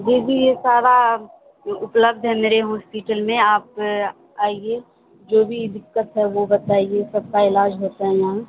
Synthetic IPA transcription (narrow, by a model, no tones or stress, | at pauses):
d͡ʒeːbʱijesaːɾa | ʊpləbd̪ʱɦɛmeːɾeɦɔːspɪʈəlmẽaːp̚ | aːie | d͡ʒoːbʱid̪ɪkːət̪ɦɛʋobɐt̪aːiesɐb̚kaɪlaːd͡ʒɦoːt̪aɦɛjɐɦã